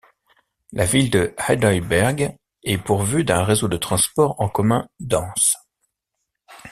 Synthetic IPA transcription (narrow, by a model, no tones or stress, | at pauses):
lʔavild̪əhɛd̪ɔjbɛʁɡ | ɛpuʁvyd̪ɛ̃ʁezod̪ət̪χɑ̃spɔʁɑ̃kɔmɛ̃d̪ɑ̃s